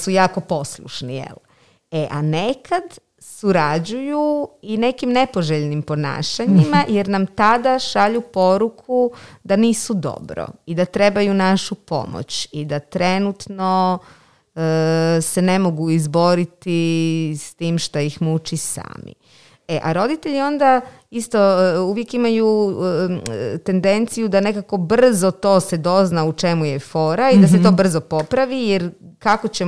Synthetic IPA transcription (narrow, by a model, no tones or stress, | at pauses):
sujaːko̞po̞slˠṵʃnijḛl | eʔanekad̪ | suɾad͡ʑujuine̞kimne̞po̞ʒeʎnimpo̞na̰ːʃaɲimajeɾnamt̪ad̪aʃaʎupo̞ɾukʰud̪aniːsud̪o̰bɾo̰id̪at̪ɾe̞bajunaʃupo̞̰mo̰t͡ɕid̪at̪ɾenut̪no̞ | se̞ne̞mo̞ɡuizbo̞ɾit̪ist̪iːmʃt̪ojixmut͡ʃisa̰ːmḭ | e̞ʔa̰ɾo̞d̪it̪e̞ʎio̞nd̪a | ist̪o̞uʋje̞kimaju | t̪e̞nd̪e̞nt̪sijud̪ane̞kako̞br̩zo̞t̪o̞ːse̞d̪o̞znaut͡ʃe̞muje̞fo̞ːɾaid̪aset̪o̞ːbr̩zo̞po̞pɾaʋijeɾkako̞t͡ɕe̞